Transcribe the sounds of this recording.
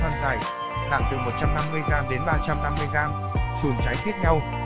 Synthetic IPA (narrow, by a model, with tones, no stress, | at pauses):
aː˧nzaː˨˩j | ɗa̰ː˧˩ŋt̪ɨ˨˩mo˨˩t̚t͡ɕa˧mna˧mːɨ˧əjɣaː˧mɗe˨˦nɓaː˧t͡ɕa˧mna˧mːɨ˧əjɣaː˧m | su˨˩nt͡ɕa˨˦jt̪ʰi˦˥ət̪̚ɛ˧w